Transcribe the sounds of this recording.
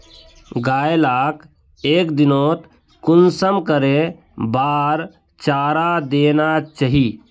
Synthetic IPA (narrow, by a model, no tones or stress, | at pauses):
ɡaːelaːk | eːkd̪inot̪ | kʊnsəmkəɾe | baːɾ | t͡ʃaːɾad̪eːnat͡ʃaɦi